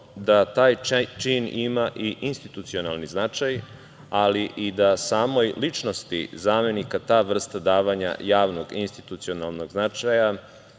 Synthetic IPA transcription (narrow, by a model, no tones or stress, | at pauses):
d̪at̪aːjt͡ʃinimaʔiʔinst̪it̪ut̪sio̞nalˠniznat͡ʃaj | aliʔid̪asaːmojlit͡ʃno̞st̪ḭzaːme̞nikat̪aːʋr̩st̪ad̪aːʋaɲa̰jaːʋno̞ɡinst̪it̪ut̪sio̞nalˠno̞ɡznat͡ʃaja